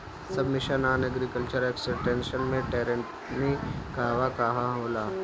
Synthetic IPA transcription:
sɐbmɪʃənaːnɐɡɾikəlt͡ʃəɾeːksɪʈẽːnʃənmẽʈeːɾẽɳʈ | nikaːʋakaɦaɦoːlaː

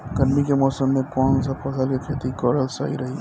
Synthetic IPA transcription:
ɡɐɾmikemɔːsəmːẽkɔːnsɐpɐsəlkekʰeːt̪ikɔːɖəlsa̰ːḭɾɐɦi

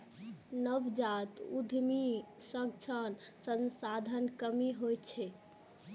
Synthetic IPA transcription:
nəbd͡ʒat̪ud̪ʱmi | səŋ̚t͡ʃʰənsə̃nsad̪ʱənkəmiɦojt͡ʃʰɛ

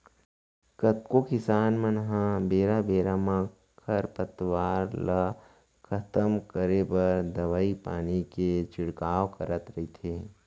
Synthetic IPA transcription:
kət̪kokɪsaːnmənɦãbeːɾabeːɾamã | kʰɐɾpət̪waːɾla | kʰət̪əmkəɾepɐɾd̪ɐʋaːipa̰ːniket͡ʃɪɽkaːʋkəɾət̪ɾɐɦit̪ʰeː

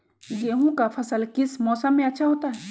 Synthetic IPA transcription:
jeɦũkapʰəsəlkɪsmɔːsəmːẽɐtːʃʰaɦoːt̪aɦɛ

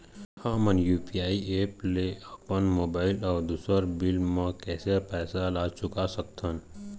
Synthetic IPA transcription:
hãːmənjuːpiaːieːpleəpənmoːbaːɪlɔːɾd̪uːsəɾbɪlmãkɛːsepɛːsalaːt͡ʃʊkasək̚t̪ʰən

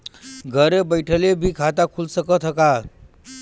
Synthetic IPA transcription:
ɡʱəɾebəjʈʰəlebʱiːkʰat̪akʰulsəkət̪ʰɦəka

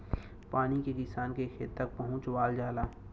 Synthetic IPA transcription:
paːnikedɪsaːnkexḛːt̪t̪ːɐk̚pɐɦʊ̃t͡ʃwaːld͡ʒaːlaː

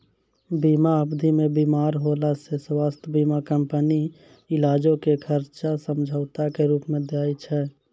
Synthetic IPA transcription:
bimaəbd̪ʱimebimaɾɦolaseswast̪ʰəbimakəmpəni | ɪlad͡ʒokekʰəɾt͡ʃasəmd͡ʒʱəʊt̪akeɾuːpmed̪eajt͡ʃʰɛ

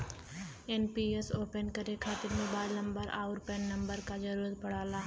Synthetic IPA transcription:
ɛnpiesoːpənkɐɾekʰaːt̪ɪɾmõːbaːɪlnɐ̃mbəɾa̰ːʊɾpɛ̃nːɐ̃mbəɾkad͡ʒɐɾuːɾət̪̚pɐɽ̤aːlaːɦ

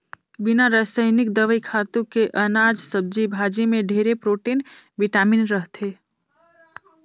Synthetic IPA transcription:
bɪnaɾəɦsəɪnɪk̚d̪əʋəikʰaːt̪ũkeʔənaːd͡ʒsəb̚d͡ʒibʱaːd͡ʒimẽɖʱeːɾepɾoːʈeːnbɪʈaːmɪnɾəɦt̪ʰe

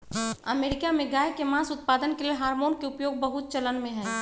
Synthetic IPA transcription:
əmeːɾɪkamẽɡaːjkemãːsʊt̪̚paːd̪ənkelieɦaːɾmoːnkeʊpjoːɡ̚bɐɦʊt̪̚t͡ʃələnmẽɦɛ̃ː

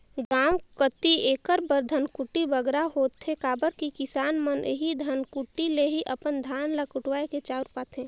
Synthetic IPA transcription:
ɡãːwkət̪ieːkəɾbəɾd̪ʱənkuʈibəɡɾaɦoːt̪ʰekaːbəɾkikɪsaːnmənɦid̪ʱənkuʈileɦiʔəpənd̪ʱaːnlakʊʈwaːeket͡ʃaːɾpaːt̪ʰẽː

